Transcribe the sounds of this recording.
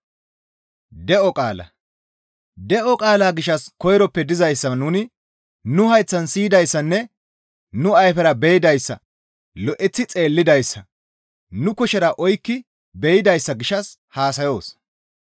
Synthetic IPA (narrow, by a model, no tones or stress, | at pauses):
d̪ɛʔɔkʼaːlɐ̰ | d̪ɛʔɔkʼaːlaːɡɪʃɐskɔjɾɔpːɛd̪ɪzɐjsːɐnʊːnɪ | nʊhɐjt͡sːɐnsiːd̪ɐjsːɐnːɛ | nʊɐjfɛɾɐbɛjɪd̪ɐjsːɐ̰ | lɔʔɛt͡sːɪt͡sʼe̞ːlːɪd̪ɐjsːɐ | nʊkɔʃɛɾɐʔɔjkːɪ | bɛjɪd̪ɐjsːɐɡɪʃɐs | haːsɐjo̞ːs